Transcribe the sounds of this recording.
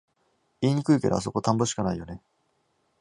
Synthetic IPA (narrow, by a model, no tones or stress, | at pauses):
iɲ̟ikɯike̞ɾoas̬o̞ko̞t̪ãmboɕi̥kanaijo̞ne̞